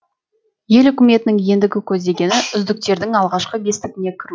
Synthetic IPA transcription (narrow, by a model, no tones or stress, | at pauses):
je̞lʏkʲɪme̞t̪ɪnɪŋje̞nd̪ɪɡʲɪkʲʰɵzd̪e̞ɡʲe̞nɪʔʏzd̪ɪk̚t̪e̞ɾd̪ɪŋɑlˠʁɑʃqəɡʲe̞st̪ɪɡʲɪne̞kʲʰɪɾu